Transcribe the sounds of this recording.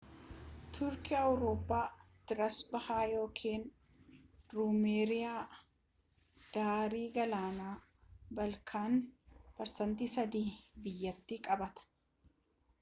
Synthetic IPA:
t̪ʰʊɾkɪɐwɾo̞ːpːaː | t̪ɪɾɐsbɐhaːjo̞ːkʰiːn | ɾumeːɾɪjaː | d̪̥aːɾiːɡɐlaːnaːbɐlkʰaːnpɐɾsɐnt̪iːsɐd̪iːbɪjːɐt̪ːɪkʼɐbɐt̪ɐ̥

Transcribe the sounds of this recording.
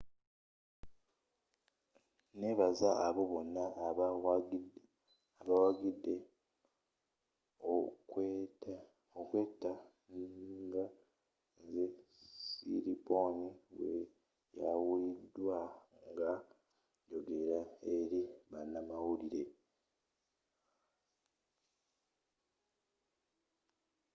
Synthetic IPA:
ne̞βazaːβo̞βo̞nːa | aβawaɡidːe̞ | ok | okwe̞ːta | ŋɡa | zesḭɾiponiwḛ | ja̰widwaŋɡa | jo̞ɡe̞ɾae̞ɾiβanːamawuɾiɾe̞

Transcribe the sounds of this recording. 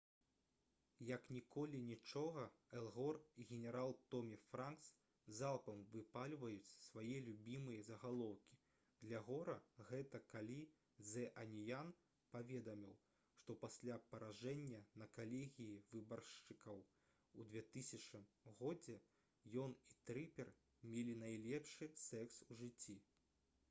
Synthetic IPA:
jɐknʲikɔlʲinʲit͡ʂɔɣɐɛlˠɣɔriɣʲɛnʲɛɾalˠt̪ɔmʲifɾanks | zalˠpɐmvɨpalʲvɐjut͡sʲsvajɛlʲubʲimɨjɐzɐɣalˠɔwkʲi̥ | d̪lʲɐɣɔɾɐɣɛt̪ɐkalʲi | d̪zɛʔɐnʲijan | pavʲɛd̪ɐmʲiw | ʂt̪ɔpasʲlʲapɐɾaʐɛnʲːɐnɐkalʲɛɣʲijivɨbɐrʂt͡ʂɨkɐw | ud̪vʲɛt̪ɨsʲɐt͡ʂnɨmɣɔd͡zʲɛ | jɔnit̪ɾɨpʲɛr | mʲɛlʲinajlʲɛpʂɨsɛkswʐɨt͡sʲːi

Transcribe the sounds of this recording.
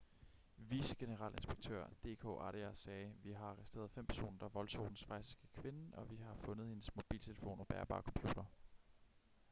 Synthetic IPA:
ʋisəɡ̥e̝nəʁɑ̰̈lʔe̝nsb̥eɡ̥̚t͡sʰø̰ɐ̰d̥e̝̰ːkʰo̰ːʔɑɾiæsɛːʋiɦɑ̈ɑ̈ʁɛsd̥e̝̰ɐðˠfem̰pʰæɐso̝̰ːnɐd̥ɑ̈ʋɒ̽lsʰɒ̰ːd̥n̩sfʁɑ̈ɪssɡ̥ekʰʋe̝nn̩ɒ̽ʋiɦɑ̈fɔ̽nð̞̩ˠhe̝nəsmo̝b̥ḭːlt͡sʰe̝ləfo̝̰ːnɒ̽b̥æɐb̥ɑ̈ːkʰɒ̽mpʰjṵːd̥ɐ

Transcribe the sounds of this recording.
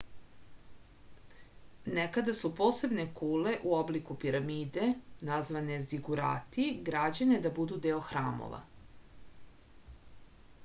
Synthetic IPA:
nekad̪asupo̞ːse̞bnekuːle̞ʔuoblikupiɾamiːd̪e̞nazʋane̞zd̪iɡuɾa̰ːt̪iɡɾad͡ʑane̞d̪abud̪ud̪eoxɾa̰ːmo̰ʋa̰

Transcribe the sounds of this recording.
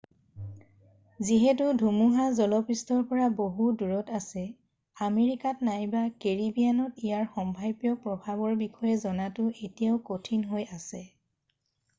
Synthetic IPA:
ziɦɛtʊdʱumuɦazɔlɔpistɔɹpɔɹaboɦuduɹɔtasɛ | ameɹikatnajbakeɹibijanɔtijaɹxɔmbʱajbjɔpɹɔbʱabɔɹbixʰɔjɛzɔnatʊʔetijaʊkotʰinɦojasɛ

